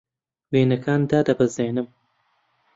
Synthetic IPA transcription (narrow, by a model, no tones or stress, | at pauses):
weːnɐkʰaːnd̪aːd̪ɐbɐzeːnɨm